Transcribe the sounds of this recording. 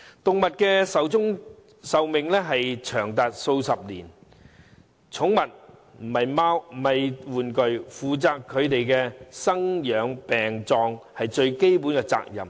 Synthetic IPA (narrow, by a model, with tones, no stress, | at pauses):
t̪ʊ˨ŋ̚mɐ˨t̚kɛː˧sɐ˨˧wt͡sʊ˥ŋ | sɐ˨wmɪ˨ŋlɛː˥ɦɐ˨jt͡ʃʰœː˨˩ŋt̪aː˨t̚so˧wsɐ˨p̚liː˨˩n | t͡sʰʊ˨˥ŋmɐ˨t̚ | m̩˨˩hɐ˨jmaː˥wm̩˨˩ɐ˨jwuː˨˩nkɵ˨ɥfuː˨t͡saː˧kʰːɵ˨˧ɥt̪e˨jkɛː˧sɐ˥ŋjœː˨˧˥ŋpɛː˨ŋt͡sɔː˧ŋhɐ˨jt͡ʃɵ˧ɥke˥jpuː˨˥nkɛː˧t͡sa̰ː˧k̚jɐ̰˨˩m